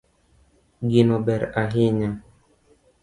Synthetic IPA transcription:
ɡinɔbɛɾaɦɪɲa

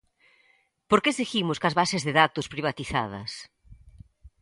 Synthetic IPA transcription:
poɾkeseximʊskɐzβasezðeðat̪ʊspɾiβ̞at̪iθa̰ð̞ɐ̰s

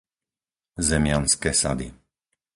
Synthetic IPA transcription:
zɛmɪanskɛːsa̰d̪ḭ

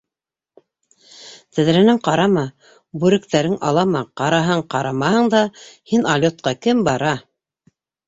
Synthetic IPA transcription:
t̪æðɾænɘŋqɑɾɑmɑ | bʉɾɘ̆kt̪æɾɘŋʔɑlˠɑmɑqɑɾɑɦɤɴqɑɾɑmɑhɤɴd̪ɑhinalʲot̪̚qɑkɘmbɑɾɑ

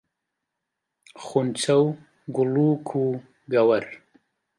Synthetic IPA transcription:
χunt͡saw | ɡulukʰu | ɡawaɾ

